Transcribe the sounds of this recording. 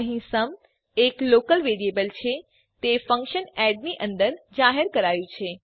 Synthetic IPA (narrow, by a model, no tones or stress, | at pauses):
əɦĩsəm | eklokəlʋeɾiebəlt͡ʃʰe | t̪efə̃ŋkʃənɛɖniʔə̃nd̪əɾd͡ʒaɦəɾkəɾajũt͡ʃʰe